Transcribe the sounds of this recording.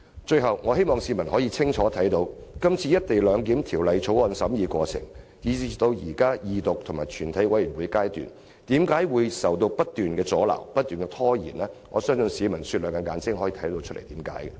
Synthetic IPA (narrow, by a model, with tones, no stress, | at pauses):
t͡ʃɵ˧ɥɦɐ˨wŋɔː˨˧he˥jmɔː˨ŋsiː˨˧˥mɐ˨˩nhɔː˨˥jiː˧t͡sʰɪ˥ŋt͡ʃʰɔː˨˥t̪ʰɐ˨˥jt̪o˧wkɐ˥mt͡sʰiː˧jɐ˥t̚t̪e˨jlœː˨˧ŋk̬iː˨˥mt̪ʰiː˨˩wlɐ˨jt͡sʰo˨˥wɔː˨˧nsɐ˨˥mjiː˨˧kʷɔː˧t͡sʰɪ̰˨˩ŋjiː˨˧i˨t̪o˧wjiː˨˩kaː˥jiː˨t̪ʊ˨k̚t̪ʰʊ˨˩ŋmaː˨˩jt͡ʃʰyː˨˩nt̪ʰɐ˨˥jwɐ˨˥jyː˨˩nwuː˨˧jkaː˥jt̪y̰ː˨n | t̪iː˨˥mkaː˨˥jwuː˨˧jsɐ˨wt̪̬o˧wpɐ˥t̚t̪ːyː˨nkɛː˧t͡sɔː˨˥la̰ː˨˩wpɐ˥t̚t̪ːyː˨nkɛ˧t̪ʰɔː˥jḭː˨˩nɛː˥ŋɔ̰ː˨˧sœː˥ŋsɵ˧nsiː˨˧mɐ˨˩nsyː˧lœː˨˩ŋka˧ŋaː˨˥nt͡sɪ˥ŋɦɔː˨˥jiː˧t̪ʰjt̪o˧wt͡ʃʰɵ˥le˨˩t̪iː˨˥mka̰ː˨˥jɛ˧